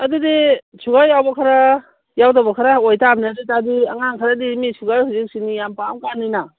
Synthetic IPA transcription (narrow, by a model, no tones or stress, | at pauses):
ɐdudi | suɡajːawbakʰaɾa | jawtabakʰaɾaojtabnaditadiɐŋaŋkʰaɾadimisʰuɡajhuzik̚sinijampamkanːina